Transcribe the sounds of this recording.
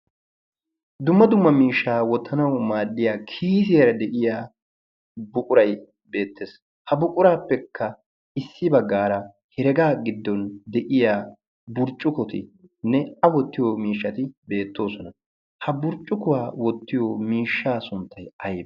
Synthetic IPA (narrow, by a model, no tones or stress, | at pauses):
d̪ʊmːɐd̪ʊmːɐmiːʃːaːwɔt̪ʰːɐnɐwmaːdːɪjaːkʰiːs̬ɪjɐɾɐd̪ɛʔɪjaː | bʊkʼʊɾɐj | be̞ːt̪ːes | hɐbʊkʼʊɾaːpːɛkʰːɐ | ɪsːɪbɐɡːaːɾɐ | hɛɾɛɡaːɡɪd̪ːɔnd̪ɛʔɪjaː | bʊɾt͡ʃʼːʊkɔt̪ɪ̰nːɛɐwɔt̪ːɪjɔmiːʃːɐt̪ɪbe̞ːt̪ːo̞ːsɔnɐ | hɐbʊɾt͡ʃʼːʊkʊwaːwɔt̪ːɪjɔmiːʃːaːsʊnt̪ʰːɐjɐjb